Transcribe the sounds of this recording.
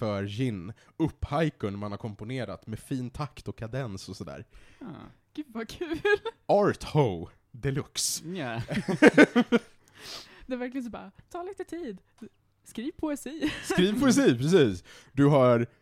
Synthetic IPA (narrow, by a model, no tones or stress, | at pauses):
fœɾjɪnːɵpːhajkʊnmanhaɾkʰɔmpʊneːɾa̰t̪mɛfiːnt̪ʰakt̪ɔkʰːad̪ɛnsɔsɔd̪æ̰ːɾ | ɡ̥ʉ̟ːdvakʰʉ̟ːlʔɑɾt̪ho | d̪ɛlɵks | d̪ɛæɾvæɾklɪɡəns̬ɔbɑ̰ːɾat̪ʰɑːliːt̪ət̪ʰiːd̪ | skɾiːvpʰʊɛsiːsɾiːvpʰʊɛs̬iːpʰɾɛs̬iːsd̪ɵɦaɾ